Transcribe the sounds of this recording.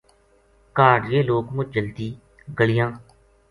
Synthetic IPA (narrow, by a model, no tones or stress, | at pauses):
kaːɖjeːloːkmʊt͡ʃd͡ʒəlt̪iː | ɡəɭɪjãː